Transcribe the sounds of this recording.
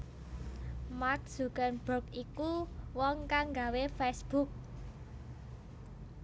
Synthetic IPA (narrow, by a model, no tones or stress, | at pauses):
mak̚suɡ̥anb̥ɔkikuwɔŋkaŋɡawefɛsb̥uk̚